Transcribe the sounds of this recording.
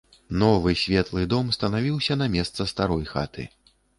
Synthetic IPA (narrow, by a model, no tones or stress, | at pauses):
nɔvɨsʲvʲɛt̪lˠɨd̪ɔmst̪ɐnavʲiwsʲɐnɐmʲɛst̪sɐst̪aɾɔjxa̰t̪ʰɨ̰